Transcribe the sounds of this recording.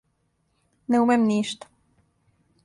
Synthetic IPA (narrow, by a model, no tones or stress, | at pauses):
neumemniːʃt̪ḁ